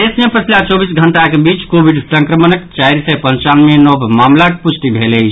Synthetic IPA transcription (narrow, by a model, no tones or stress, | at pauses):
esmepət͡ʃʰlat͡ʃɔbisɡʱəɳʈakebit͡ʃkobʱiɖsə̃ŋkɾəmənəkt͡ʃaiɾsəpə̃nt͡ʃanmenɔbmamlakput͡ʃʰʈ̪ibʱelɛjʰ